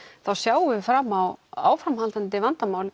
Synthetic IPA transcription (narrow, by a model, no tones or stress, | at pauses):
θawsjaːwɪfɾaːmawa̰ːwfɾamhalt̪ant̪̬ɪvant̪amaːwlɪ